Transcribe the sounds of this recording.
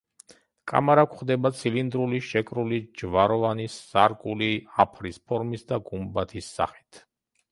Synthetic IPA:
kʼa̰maɾakʷʰχd̪ɛbat̪sʰilind̪ɾuliʃɛkʼɾulid͡ʒvaɾɔvanisːaɾkʼuliapʰɾispʰɔɾmisd̪aɡumbat̪ʰisːa̰χi̥t̪ʰ

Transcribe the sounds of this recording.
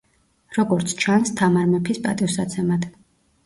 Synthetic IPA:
ɾɔɡɔɾt̪sʰt͡ʃʰanst̪ʰamaɾmɛpʰispʼa̰t̪ʼiusat̪sʰɛmad̪̥

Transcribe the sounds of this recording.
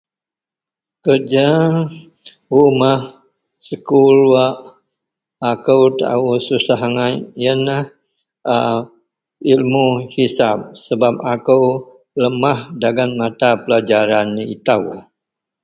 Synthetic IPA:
kərd͡ʒa | umah | səkuɾuaʔ | akəwt̪a̰ususaɦaŋanjənah | a | ilmuhisap̚səbap̚akəw | ləmahdaɡanmat̪apəlad͡ʒaɾanːiit̪aw

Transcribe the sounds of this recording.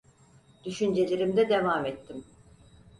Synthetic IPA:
d̪̥yʃynd͡ʒe̞lʲeɾimd̪ɛd̪evaːmɛt̪ʰːim

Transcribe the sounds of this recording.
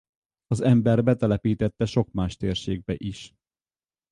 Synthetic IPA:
ɒzɛmbɛrbɛt̪ɛlɛpiːt̪ɛt̪ːɛʃo̞kmaːʃt̪eːrʃeːɡ̚bɛʔiʃ

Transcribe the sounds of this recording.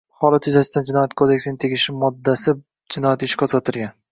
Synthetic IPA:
hɒlˠat̪jʊzasɪd̪and͡ʒɪnɒjat̪̚kʰod̪e̞kʲsɪnɪŋt̪ʰe̞ɡʲɪʃɪmɒd̪ːasɪ | d͡ʒɪnɒjat̪ɪʃɪ̥kʰɒsat̪ʰɪɾɡʲan

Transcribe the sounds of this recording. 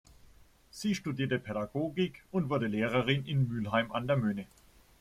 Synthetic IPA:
z̥iːʃtudiːɐtəpʰɛɾaɡoːɡɪkʊntv̥ʊɐdəleːʁəʁɪnɪnmyːlɦaɪmʔandeːɐmøːnə

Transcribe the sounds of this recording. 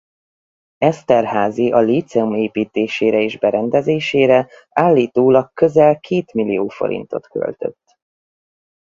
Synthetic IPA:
ɛst̪ɛrhaːziʔɒliːt̪sɛumeːpiːt̪eːʃeːɾɛeːʒbɛɾɛnd̪ɛzeːʃeːɾɛ | aːlːiːt̪oːlɒk̚kø̞zɛlkʰeːt̪milioːfo̞̰ɾḭnt̪o̞̰t̪kø̰lt̪ø̰t̪ː

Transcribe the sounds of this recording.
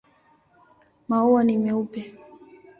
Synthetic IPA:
mauwanimɛupɛ

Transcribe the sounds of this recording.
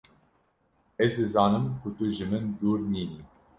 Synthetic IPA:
ɛzd̪ɨzɑːnɨmkʰut̪uʒɨmɨnd̪uːɾniːniː

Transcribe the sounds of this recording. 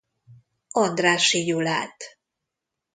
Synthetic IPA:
ɒnd̪raːʃijula̰ːt̪

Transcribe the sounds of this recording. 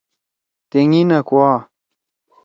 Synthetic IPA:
t̪eŋinɐkwaː

